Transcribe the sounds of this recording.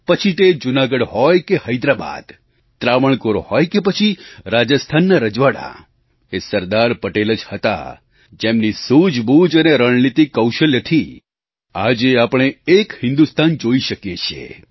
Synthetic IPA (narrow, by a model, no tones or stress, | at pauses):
pət͡ʃʰit̪ed͡ʒunaɡəɽhɔjkehəjd̪ɾaba̰d̪̥ | t̪ɾaʋəɳkoɾohɔjkepət͡ʃʰiɾad͡ʒəst̪ʰanːaɾəd͡ʒʋaɽa̰ | esəɾd̪aɾpəʈeləd͡ʒhət̪a̰ | d͡ʒemnisud͡ʒbud͡ʒəneɾəɳnit̪ikːəwʃəljət̪ʰi | ad͡ʒeapəɽ̃eekhɪ̃nd̪ust̪ʰand͡ʒoiʃəkjet͡ʃʰḛ